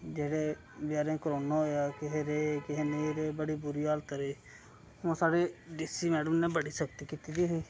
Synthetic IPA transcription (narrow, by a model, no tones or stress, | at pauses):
d͡ʒeːɽeː | bɪjaːɾẽːkɾoːnaːoaːkɪɦeɾeːkɪɦeːneːɾeːbəɽiːbʊɾiːaːlt̪ɾeː | hõːsaːɽeːɖɪsiːmɛːɖəmnẽːbəɽiːʃək̚t̪iːkiːt̪iːd̪iːɦiː